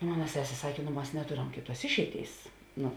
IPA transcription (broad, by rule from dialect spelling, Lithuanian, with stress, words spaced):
ˈmoːnɐ ˈsʲæːsʲeː ˈsɑːkʲeː nʊ ˈmɐs nʲɛˈtoːrɐm ˈkʲeːˌtuɔs ˈɪʃʲɛɪˌtʲeːɪs ˈnʊ